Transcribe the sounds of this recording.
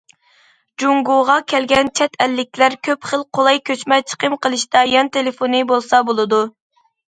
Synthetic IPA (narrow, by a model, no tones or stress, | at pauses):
d͡ʒuŋɡoʁɑkʲʰɛlɡʲɛnt͡ʃʰɛt̪ʰɛlːɪk̚ʲʰlæɾkʲʰøpχəlˠqʰolˠɑjkʲøt͡ʃmɛt͡ʃʰə̥qəmqʰəlˠɨʃt̪ɑjɑnt̪ʰelɪfonɨbolˠsɑbolˠɨd̪u